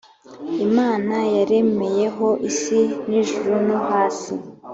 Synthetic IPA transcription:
imaːnajaɾe̞me̞je̞ɦo̞ʔisiniʒuɾunoɦaːsi

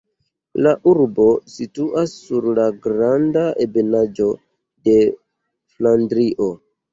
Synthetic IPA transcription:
laʔuɾbo̞situʔasːuɾlaɡɾandaʔebenad͡ʒo̞ | de̞ | flandɾiʔo̞

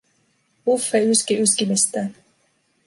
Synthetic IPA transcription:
ufeyskiyskimist̪æ

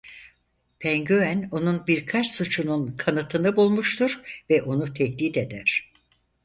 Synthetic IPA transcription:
pʰɛɲɟøæno̞nunbiɾkʰat͡ʃsut͡ʃʰununkʰanɯt̪ʰɯnɯbulˠmuʃt̪uɾvɛʔo̞nut̪ʰɛhd̪iːd̪e̞d̪æɾ̥

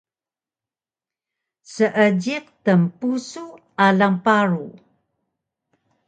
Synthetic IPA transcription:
səʔəɟiq̚təmpusu | alampaɾu

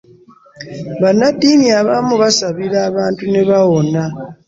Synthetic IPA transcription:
βanːadːiːniaβamuβasaβiɾaːβaːntune̞βawo̞na

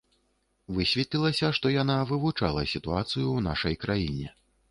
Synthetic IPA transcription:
vɨsʲvʲɛt̪ʲlʲilˠɐsʲɐʂt̪ɔjan̪avɨvut͡ʂa̰lˠɐsʲit̪uat̪sɨjuːna̰ʂɐjkɾajinʲɛ̰

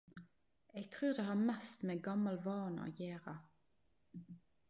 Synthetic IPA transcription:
eːɡ̚t̪ʰʁʉːʁd̪eːhɑːmɛst̪meːɡɑmɑlʋɑːnɑ̰jeːʁɑ

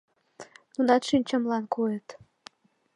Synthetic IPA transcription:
nunɑt̪ʃinʲt͡ɕə̆mlɑnkojet̪

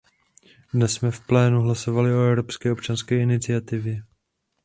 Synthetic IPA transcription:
dnɛsːmɛfplɛːnuɦlaso̞valɪo̞ɛvɾo̞pskɛːo̞pt͡ʃanskɛːɪnɪt͡sɪat̪ɪvjɛ

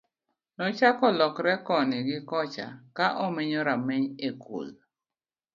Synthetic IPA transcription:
nɔt͡ʃakɔlɔkɾɛkɔnɪɡɪkɔt͡ʃa̰kaʔɔmɪɲɔɾamɛɲeko̰l

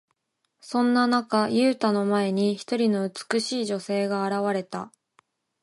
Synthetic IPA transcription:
sõ̞nːanakajɯ̟ːt̪ano̞mae̞ɲ̟içi̥t̪o̞ɾʲino̞ɯ̟t͡sɨ̥kɯ̟ɕiːʑo̞se̞ːɡaːɾaβaɾe̞t̪a̰

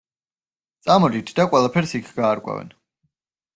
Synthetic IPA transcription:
t̪sʼamɔd̪it̪ʰd̪aqʼwɛlˠapʰɛɾsikʰɡ̥aːɾkʷʼa̰vɛ̰n

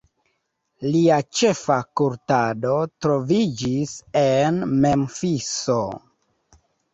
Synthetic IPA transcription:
liat͡ʃe̞fakuɾtado̞tɾo̞vid͡ʒisenme̞mfiso

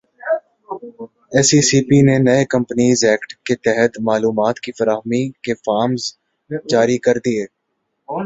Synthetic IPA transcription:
ɛːsisiːpinenɐekɐ̃mpəniːzɛːkʈket̪ɛɦət̪maːluːmaːt̪kifɐɾaːɦmikefaːɾmz | d͡ʒaːɾikɐɾd̪ieː

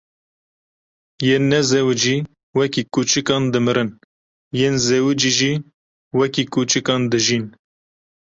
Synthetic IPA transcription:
jeːnːɛzɛwɨd͡ʒiː | wɛkiːkuːt͡ʃɨkɑːnd̪ɨmɨɾɨn | jeːnzɛwɨd͡ʒiʒiː | wɛkikuːt͡ʃɨkɑːnd̪ɨʒiːn

